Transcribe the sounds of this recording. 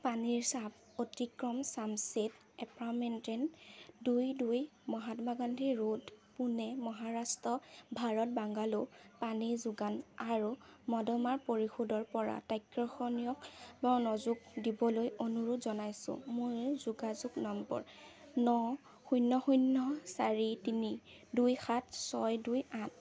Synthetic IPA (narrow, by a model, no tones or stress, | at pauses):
paniɹsab | otikɹɔmsamset | ɛpamentɛndujdujmɔɦatɔmaɡandʱiɹodpunɛmɔɦaɹastɹɔbʱaɹɔt̚baŋɡalopaniɹzʊɡanaɹumɔdɔmaɹpoɹixodɔɹpɔɹa̰tajkɹɔxɔnijɔkbanɔzuɡ̚dibɔlojonuɹutzɔnajsʊ̰̃mojzuɡazuɡnɔmbɔ̰ɹ | nɔ | xujnːɔxujnːɔsaɹitini | dujxatsɔjdujãt̚